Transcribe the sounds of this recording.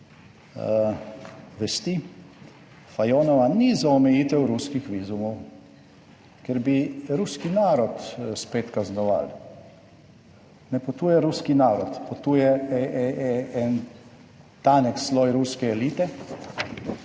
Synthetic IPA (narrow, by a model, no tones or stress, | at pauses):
ʋɛst̪i | fajɔːnɔʋanizaɔmɛjiːt̪ɛwɾuskixʋiːzumɔw | kɛɾbiɾuskinaːɾɔt̪speːt̪kaznɔʋa̰l | nɛpɔt̪uːjɛɾuskinaːɾɔt̪pɔt̪uːjɛɛɛɛɛn | t̪anɛkslɔjɾuskɛɛliːt̪ɛ